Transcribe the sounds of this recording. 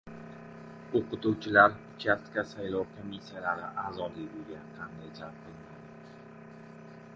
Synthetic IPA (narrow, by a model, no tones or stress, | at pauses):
oqɨt̪uwt͡ʃʰɪlaɾ | t͡ʃʲʰat̪kʲasajlˠɒwkʰomisːijalaɾɪʔaːzɒd̪ijbolˠɡʲanqʰɑnd̪ajd͡ʒʰalp̚qɨlˠɪŋɡʲadɪɪ